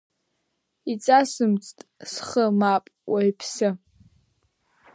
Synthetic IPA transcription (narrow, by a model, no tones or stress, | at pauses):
it͡sʼasɨmt͡sʼtʼsχəmapʼwajpʰsɨ